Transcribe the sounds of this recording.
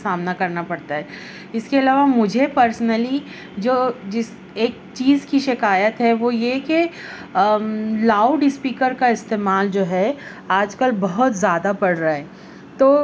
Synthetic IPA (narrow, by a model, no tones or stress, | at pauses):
saːmnakɐɾnapɐɽt̪aɦɛː | ɪskeɐlaːʋamʊd͡ʒʱepəɾsnəli | d͡ʒoːd͡ʒɪs | eːk̚ | t͡ʃiːzkiʃɪkaːjət̪ɦɛʋoːjeke | laːʊɖɪspiːkəɾkaɪst̪eːmaːld͡ʒoːɦɛ | aːd͡ʒkəlbɐɦʊt̪zjaːd̪apɐɽɾaaɦɛː | t̪oː